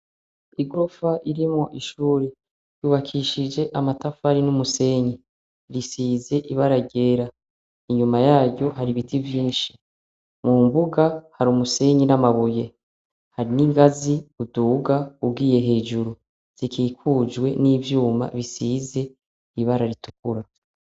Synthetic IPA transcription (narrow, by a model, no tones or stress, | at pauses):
iɡofaʔiɾimŋo̞ʔiʃuːɾe | juːβakʰiʃid͡ʒe̞ʔamatafaɾinumuse̞ɲi | ɾisize̞ʔiβaɾaɟe̞ːɾa | iɲumajaːɟɟo̞ɦaɾiβitʰivjiːnʃi̥ | muːmbuɡahaɾumuse̞ɲinamaβuje̞ | haɾiniŋɡaziuduɡaub̚ɡiːje̞ɦe̞ːd͡ʒuɾu | z̥ikʰiːkʰuːd͡ʒwe̞niːvjuːma̰βisiːze̞ | iβaɾaɾitukuɾa